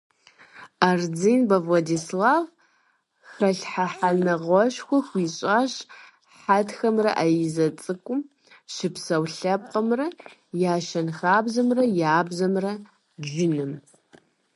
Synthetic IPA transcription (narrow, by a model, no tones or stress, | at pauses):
ard͡zinbɐvlɐdislaːv | xɐɬħaħanɐʁʷɔɕxʷɔxʷiɕʼaːɕ | ħatxɐmrɐ̰ʔajɪzɐt͡sʼɨkʷʼʊm | ʃɪpsɐwɬɐp̚qʼɐmrɐjaːʃɐnxaːbzɐmrɐjaːbzɐmrɐ | ʒɪnɨm